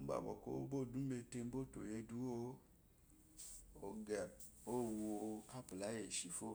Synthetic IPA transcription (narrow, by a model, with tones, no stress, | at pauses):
m̩˦ba̰˨bɔ̰˨ko̰˦o˦bo˦˨dũ˨˦me˧te˧m̩˦bo˦to˨je˧du˦o˧˦ | o˧ɡɛ˨ | o˦wu˧o˧a˦pu˨la˨˦je˨ʃi˨fo˦˨